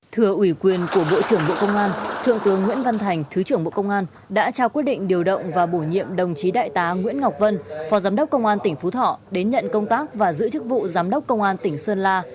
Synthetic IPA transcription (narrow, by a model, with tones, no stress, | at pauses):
t̪ʰɨ˧˩əʔwi˧˩kwi˨˩ənku˧˩əɓo̰˧˨t͡ɕɨ˧˩əŋɓo̰˧˨kə˧wŋ͡mʔaː˧nt̪ʰɨ̰˧˨əŋt̪ɨ˨˦əŋːw̰i˧˥ənva˧nt̪ʰa˨˩jŋ̟t̪ʰɨ˨˦t͡ɕɨ˧˩əŋɓo̰˧˨kə˧wŋ͡mʔaː˧n | ɗa̰ː˧˥t͡ɕaː˧wkwi˦˥ət̚ɗḭ˧˨ŋ̟ɗi˨˩əwɗə̰˧˨wŋ͡mvaː˨˩ɓo˧˩ɲḭ˧˨əmɗə˨˩wŋ͡mt͡ɕi˨˦ɗa̰ː˧˨jt̪aː˨˦ŋwḭ˧˥ənŋa˨˩wk͡p̚və˧nfɔ˨˦zaː˨˦mɗə˦˥k͡p̚kə˧wŋ͡mʔaː˧nt̪ï˧˩ŋ̟fu˨˦t̪ʰɔ̰˧˨ɗe˨˦nɲə̰˧˨nkə˧wŋ͡mt̪aː˦˥k̚vaː˨˩zɨ̰˧˥t͡ɕɨ˦˥k̚vṵ˧˨zaː˨˦mɗə˦˥k͡p̚kːə˧wŋ͡mʔaː˧nt̪ï˧˩ŋ̟səː˧nlaː˧